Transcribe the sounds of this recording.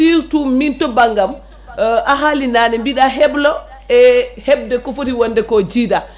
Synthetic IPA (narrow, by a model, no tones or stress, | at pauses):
iɾtumintɔbaŋɡam | ʔaɦalinanɛmbiɗaɦɛblɔ | ɛhɛb̚dɛkɔfotiwɔndɛkɔd͡ʒiːda